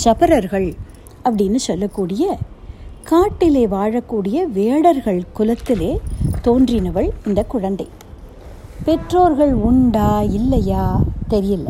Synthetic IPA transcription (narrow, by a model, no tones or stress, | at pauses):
sɐpɐɾɐɾɣɐɭ | ɐpːɐɽɪnːɯsɔlːɐkːuːɽɪjɐ | kaːʈːɪleːʋaːɻɐkːuːɽɪjɐʋeːɽɐɾɣɐɭkʊlɐt̪ːɪleːt̪oːndrɪnɐʋɐɭɪnd̪ɐkːʊɻɐnd̪ɐɪ | pɛʈroːɾɣɐɭʊɳɖaːɪlːɐjaːt̪ɛɾɪjɪlːɐ̰